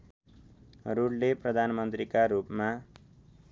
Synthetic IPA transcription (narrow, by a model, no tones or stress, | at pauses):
ruɽleprʌd̪ʱanmʌnt̪rikaɾupma